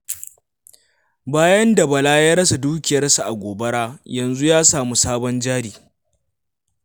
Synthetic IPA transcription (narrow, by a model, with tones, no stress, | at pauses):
baː˦jɐ˦nda˨bɐ˨laː˦jaː˦ɾɐ˦s̬a˨duː˦kʲɪ˨jɐ˦rsu˨ʔa˨ɡʷoː˨bɐ˦ɽaː˦jɐ˨nzu˦jaː˦saː˨mu˦saː˦bɔ˦nd͡ʒaː˦ɽiː˨